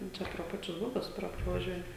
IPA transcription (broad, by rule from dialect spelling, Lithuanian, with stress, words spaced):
jɛʊ ˈt͡ʃʲɛ proː ˈpɑːt͡ʃʲʊs ˈbʊbʲʊs ˈprɐ prɐʋɐˈʒʲuɔjɛ